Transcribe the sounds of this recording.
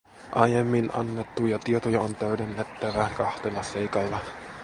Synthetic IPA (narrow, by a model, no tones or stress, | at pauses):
ʔɑjemːinʔɑ̰nːet̪ːujɑt̪iet̪ojɑont̪æydenːet̪ːæʋækɑht̪elːɑse̞jkɑlːɑ